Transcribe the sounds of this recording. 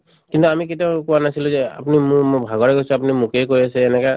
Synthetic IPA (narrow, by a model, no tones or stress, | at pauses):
kint̪uamiketiaʊkuanasiluzea̰punimʊmbʱaɡɔɹɛkojsuapunimukejkojasɛːnɛka